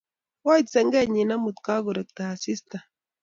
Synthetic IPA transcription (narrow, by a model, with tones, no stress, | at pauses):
wa˦i˨t̪sɛ˨˦ŋɡɛ˦˨ɲi˨na˦mu˨t̪ka˦ɡu˨ɾɛ˨k̚t̪a˨a˨si˦st̪a˨